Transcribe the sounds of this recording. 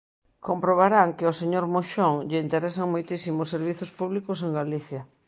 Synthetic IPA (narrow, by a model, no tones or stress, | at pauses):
kompɾoβ̞aɾaŋkɪoseɲoɾmoʃoŋʎɪint̪eɾɛsaŋmojt̪isimosːeɾβ̞iθospuβlikʊs̬eŋɡaliθjɐ